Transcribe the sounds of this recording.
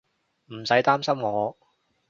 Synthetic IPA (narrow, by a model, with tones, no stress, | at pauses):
m̩˨˩sɐ˨˥jt̪aː˥msɐ˥mŋɔː˨˧